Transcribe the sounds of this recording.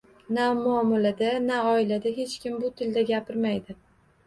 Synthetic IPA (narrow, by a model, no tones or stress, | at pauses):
namʊɒmalad̪anaɒɪlad̪aɦe̞t͡ʃkʲɪmbʊt̪ʰɪld̪aɡʲapʰɪɾmajd̪ɪ